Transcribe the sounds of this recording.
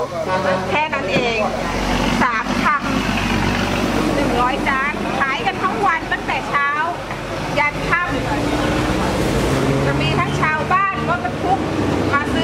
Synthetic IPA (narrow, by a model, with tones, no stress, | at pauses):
kʰɛː˧˥˩na˦˥nʔeː˧ŋ | saː˩˦mt̪ʰa˧˩m | nɯ˨˩ŋɾɔː˦˥jdaː˧˩nkʰaː˨˦jka˧nt̪ʰa˦˥˩ŋwa˧nt̪a˧˥˩ŋt̪ɛː˨˩t͡ɕʰaː˦˥w | ja˧n̚t̪ʰa˦˧˥m | t͡ɕa˧˩miː˧t̪ʰa˧˩ŋt͡ɕʰaː˨˧˥wbaː˥˩nkʰɔː˧˥˩ka˧˩t̪ʰu˦˥k̚maː˧˩sɯ˧